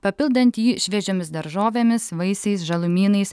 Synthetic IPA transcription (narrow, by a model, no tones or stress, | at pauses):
pɐpʲɪlˠd̪ɐnʲt̪ʲjiːʃʲʋʲɛʒʲoːmʲɪsd̪ɐɾʒoːʋʲeːmʲɪsʋɐɪsɐɪsʒɐlˠʊmʲiːnɐɪs